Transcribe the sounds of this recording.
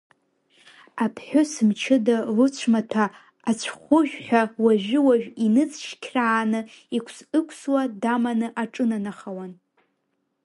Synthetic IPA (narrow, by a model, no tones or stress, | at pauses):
apʰħʷʊsɨmt͡ʃʰɨdalʊt͡ɕʷʰmatʰaː | t͡ɕʷʰχʷʊʒᶣħʷᶣawaʒᶣɪwaʒᶣinɨt͡sʰʃkʲʰraːnɨ | ikʷʰsɨkʷʰswadamanɨʔaʈ͡ʂʼɨnanaχawan